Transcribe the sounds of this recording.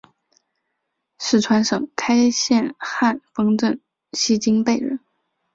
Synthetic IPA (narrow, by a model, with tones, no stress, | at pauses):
ʂɻ̩˥˩ʈ͡ʂʰwa˧˥nʂɤ˨˩ŋkʰa˥ɪɕjɛ˥˧nxa˥˩nfɤ˥ŋʈ͡ʂə˥˩n | ɕi˥t͡ɕi˥ŋpe˥˧ɪɻə̰˧˥˦n